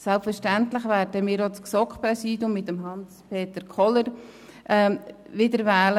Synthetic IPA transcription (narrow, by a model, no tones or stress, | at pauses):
sɛlpfəɾʃtæntlɪχʋæːɾdəmɪːɾot͡sksɔkχprɛsiːdjʊmːɪtːəmɦɑnspʰeːtəɾkʰɔləɾ | ʔː | ʋɪdəɾvɛːlə